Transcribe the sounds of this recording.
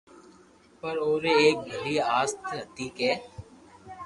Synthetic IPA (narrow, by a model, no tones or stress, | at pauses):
pɐɾoːɾeeːk̚bʱɐliaːst̪ʰɐt̪iːkeː